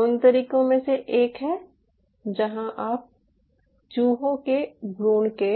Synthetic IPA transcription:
ʊnt̪ɐɾiːkõmẽseʔeːkɦɛː | d͡ʒɐɦãʔaːp̚ | t͡ʃuːɦõkebɾuːnke

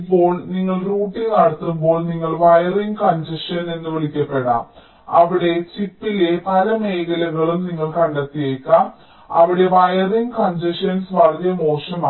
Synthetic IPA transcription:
pːo̞ːɭniŋːɐɭruːʈːiŋnɐɽɐt̪ːumbo̞ːɭniŋːɐɭʋɐjɐriŋɡkɐɲd͡ʑɐʂɐnenːɨʋɐɭikʲːɐpːe̞ɽa̰ːm | ɐʋiɽe̞t͡ɕipːile̞pɐlɐme̞jkɐlɐɣɐɭumniŋːɐɭkɐɳɖɐt̪ːijeːkːa | ɐʋiɽe̞ʋɐjɐriŋɡkɐɲd͡ʑɐʂɐnsʋɐrɐðjɐmo̞ːʂɐmaː

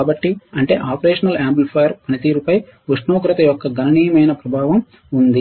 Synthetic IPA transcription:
aːbɐʈːiɐɳʈe̞̰ːʔaːpɐɾeːʂɐnɐlaːmpulpʰɐjɐɾpɐnit̪iːɾupɐj | uʂnoːkɾɐt̪ɐjɔkːɐɡɐnɐniːjɐmɐjnɐpɾɐbʱaːʋɐm | und̪i

